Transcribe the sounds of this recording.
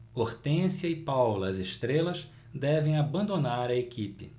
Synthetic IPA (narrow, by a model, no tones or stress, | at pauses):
oɾt̪ẽsjɐɪpawlɐːzeʃt̪ɾelɐz | d̪ɛvẽj̃abɐ̃nd̪onaɾɐekipɪ̰